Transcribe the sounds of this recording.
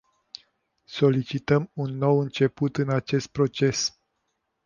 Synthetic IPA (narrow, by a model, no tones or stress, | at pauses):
so̞lit͡ʃit̪əmunːo̞wɨnt͡ʃe̞put̪ɨnat͡ʃe̞st̪̚pɾo̞t͡ʃe̞s